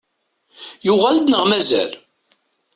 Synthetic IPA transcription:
jʊʁæld̪nəʁmæzæ̰l

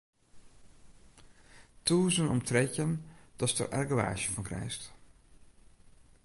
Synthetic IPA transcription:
tuːzənɔ̰mtrɛcənd̥ɑstə̰rʔa̰rɡəʋa̰ːʒəfɑnkrɛ̰jst

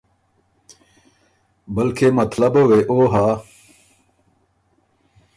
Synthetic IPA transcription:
bɐlkʰemɐt̪lɐbɐweʔoːɦaː

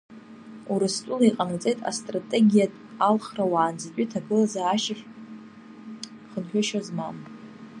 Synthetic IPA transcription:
uɾastʼulaiqʼanat͡sʼe̞jtʼa̰stʼratʼe̞ɡʲijatʼalχrawaːnd͡zakʲʷʼitʰaɡɨlazaːʃaχʲ | χənħᶣaʃozmam

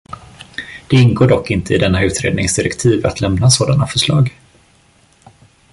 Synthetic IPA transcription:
d̪̥ɛɪnɡoːɖɔkːɪnt̪əɪd̪ɛnːaʉ̟ːt̪ɾḛːd̪nɪŋsd̪ɪɾɛkt̪ʰiːva̰t̪lɛmnasoːd̪anafœʂɭɑːɡ

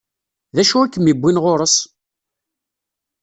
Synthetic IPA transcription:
ðæʃʊækːəmibʷːinʁʊɾˤəs

